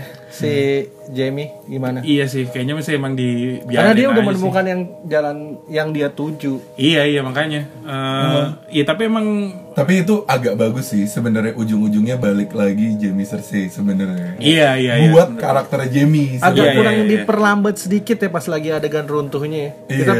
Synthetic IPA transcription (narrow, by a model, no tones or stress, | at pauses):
sɪ | d͡ʒemiɡimanaijasɪhkajaʔɲamasɪemaŋdibianadiaudahmənəmukanjaŋd͡ʒalanjaŋdiat̪ud͡ʒuijaijamakaɲa | ə | ijat̪apiemaŋt̪ap̬iːt̪̬uʔaɡak̚baɡʊsːɪhsəbənərɲaʔud͡ʒʊŋud͡ʒʊŋɲabalɪklaɡid͡ʒemisərsɪsəbənaərɲaijaijabuat̪̚kaɾak̚t̪ərd͡ʒemisaɡaakuɾaŋdipərlambat̪̚sədikɪt̪japasilaɡiadaɡanrunt̪ʊhɲaja | iitt̪a